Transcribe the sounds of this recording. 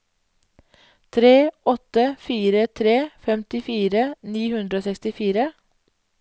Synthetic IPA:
t̪ʰɾeːɔt̪əfiːɾət̪ʰɾeːfɛmt̪ɪfiːɾəniːhʉnd̪ɾəoːsɛkst̪ɪfiːɾə

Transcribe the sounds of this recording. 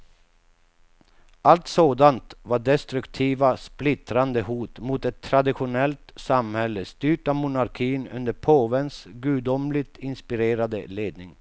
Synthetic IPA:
ʔalt̪soːd̪ant̪vaɖɛst̪ɾɵkt̪ʰiːvasplɪt̪ɾand̪əhuːt̪mut̪ɛt̪ʰːɾad̪ɪɧʊnɛlt̪samhɛlːəst̪yːʈamʊnaɾkʰiːnɵ̰nd̪əɾpʰoːvənsɡʉd̪ɔmlɪɡt̪ɪnspɪɾeːɾad̪ə̰leːd̪nɪŋ

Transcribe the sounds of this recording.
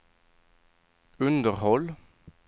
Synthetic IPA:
ʉnd̪əʁhɔl

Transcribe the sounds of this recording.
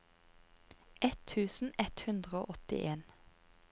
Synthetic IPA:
ʔɛt̪ʰʉːsn̩ɛt̪hʉnd̪ʁəo̰ːʔɔt̪ɪ̰ʔeːn

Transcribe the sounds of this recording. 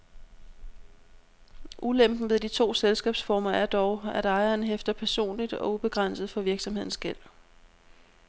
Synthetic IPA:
ʔulem̰b̥n̩ʋe̝ðˠd̥it͡sʰo̝̰ːselsɡ̥ɛ̰ːb̥sfɒːmɐʔæɐd̥ɒʊæɾ̥ɑ̈ɪɐːnɦefd̥ɐpʰæɐso̝̰ːnlid̥ɒ̽ub̥e̝ɡ̥ʁan̰səð̩ˠfɒ̽ʋiɐɡ̥sɒ̽mhe̝ð̰ˠn̩sɡ̥el̰

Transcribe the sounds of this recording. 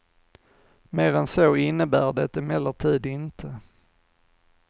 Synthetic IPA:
meːɾɛnsoːɪnːəbæːɖɛt̪ːɛmɛlːəʈʰiːd̪ɪnt̪ʰə

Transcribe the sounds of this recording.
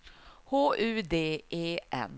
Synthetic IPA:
hoːʔʉ̟ːd̪eːeːʔɛ̰n

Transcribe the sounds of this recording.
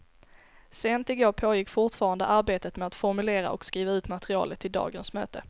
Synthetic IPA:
seːnt̪ɪɡoːɾpʰoːjɪkːfʊʈfɑːɾand̪ə̰ʔaɾbeːt̪ət̪mɛat̪fɔɾmɵleːɾa̰ʔɔ̰kskɾiːvaʉ̟ːt̪mat̪ɾɪɑ̰ːlət̪ʰːɪld̪ɑ̰ːɡənsmø̰ːt̪ə

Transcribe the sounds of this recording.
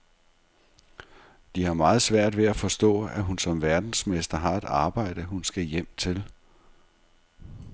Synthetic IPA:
d̥ihɑ̈mɑ̈ːð̩ˠsʋæɐ̰d̥ʋe̝æfɒ̽sd̥ɔ̰̽ːæɦunsɒ̽mʋæɐd̥n̩smesd̥ɐɦɑ̈e̝d̥ɑ̈ːb̥ɑ̈ɪ̰d̥əɦunsɡ̥æjem̰t͡sʰe̝l

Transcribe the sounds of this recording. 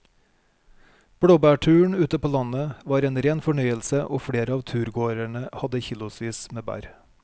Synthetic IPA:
b̥ɽoːbæːʈʰʉːɳ̩ʉːt̪əpʰoːlɑnəʋɑːɾeːnɾeːnfɔɳœʏəlsəʔo̰ːfɽeːɾəɑːʋt̪ʰʉːɾɡoːɾæɳəhɑd̪əçiːlʊsʋiːsmeːbæ̰ɾ

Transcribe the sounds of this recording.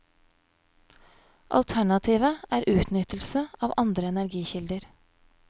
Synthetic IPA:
ʔɑ̰lt̪ʰæɳɑt̪ʰiːʋəʔæːɾʔʉːt̪nʏt̪əlsəɑːʋʔɑnd̪ɾəɛnæɾɡiːçɪld̪əɾ

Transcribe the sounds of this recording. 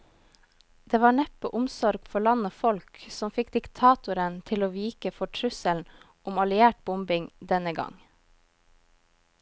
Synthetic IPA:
d̪̥eːʋɑːɳɛpəʔʊmsɔɾɡ̥fɔɭɑnoːfɔlksɔmfɪkd̪ɪkt̪ʰɑːt̪ʊɾənt̪ʰɪloːʋiːkəfɔʈʰɾʉsəln̩ | ʊmɑlɪæːʈ̚bʊmbɪŋd̪ɛnəɡɑ̰ŋ

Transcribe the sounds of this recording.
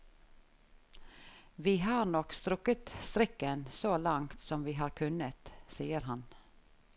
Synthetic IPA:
ʋiːhɑːɾnɔkst̪ɾʉkət̪st̪ɾɪkənsoːlɑŋt̪sɔmʋiːɦɑːɾkʰʉnət̪siːəɾhɑn

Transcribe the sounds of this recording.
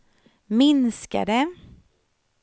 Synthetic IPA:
mɪnska̰ɖ̪ə

